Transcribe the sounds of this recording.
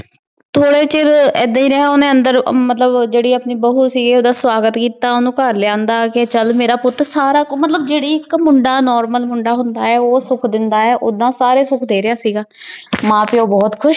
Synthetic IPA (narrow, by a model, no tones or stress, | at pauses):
t̪ʰoːɽeːt͡ʃɪɾɛːd̪ãːĩːɾɛɦaːʊnẽːə̃nd̪əɾmət̪ləbd͡ʒeːɽiːəpniːbəɦuːsiːɡiːoːd̪aːswaːɡət̪kiːt̪aːʊnũːkəɾleãːnd̪aːket͡ʃəlmeːɾaːpʊt̪ːɾsaːɾaːkmət̪ləbd͡ʒeːɽiːɪkmʊɳɖaːnɔːɾməlmʊɳɖaːɦʊnd̪aːɛːoːsʊkʰd̪ɪnd̪aːɛːʔoːd̪ãːsaːɾeːsʊkʰd̪eːɾɪjaːsiːɡaːmãːpeoːbɔːt̪kʰʊʃ